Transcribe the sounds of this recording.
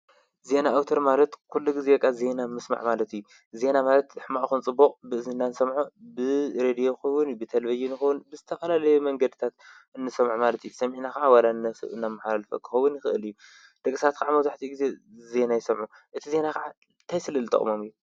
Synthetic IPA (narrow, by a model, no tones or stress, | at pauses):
ze̞naːwt̪ʰɐɾmalɐt̪kʰulːuɡizebɐkʼːaze̞namɨsma̰ʕmalɐt̪ijːu | ze̞namalɐt̪ɨħmaʕxɨnt͡sʼɨbːoqʼbɨɨzɨnːansɐmʕubɨɾed̪ijo̞xɐwːʊnjubɨt̪ʰɐlvɐd͡ʒinɨxɐwunbɨzɨt̪ʰɐfɐlalɐjumɐŋɡɐd̪ɨt̪ʰat̪ | ɨnːɨsɐmʕumalɐt̪ijusɐmʕinakɐʕawalanːɐɨ̰ɨnːamːaħalalɐfɐ̰kʰɨ̥xɐwʊnjɪxɨɨlɨju | d̪̥ɐkʼːɨsat̪̚kaʕamɐwzaħt̪ʰiɡize̞ze̞najɪsɐmʕu | ʔɨt̪ʰize̞nakɐʕa | nt̪ʰajsɨlɨlt̪ʼɐ̰χʼmomɨjːu